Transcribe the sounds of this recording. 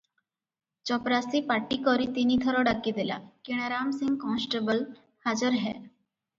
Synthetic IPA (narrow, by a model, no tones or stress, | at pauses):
t͡ɕɔpɾasipaʈːikɔɾit̪iniːt̪ʰəɾɔɖakid̪ela̰kiɽ̃aɾamsĩŋɡkɔ̃nsʈəbəl | had͡zəɾɦɛ̰